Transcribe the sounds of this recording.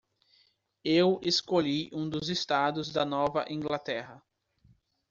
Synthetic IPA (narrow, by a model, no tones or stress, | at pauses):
eweskoʎiʔũd̪ʊzest̪ad̪ʊzd̪ɐnɔvɐ̰ʔĩŋɡlat̪ɛɦɐ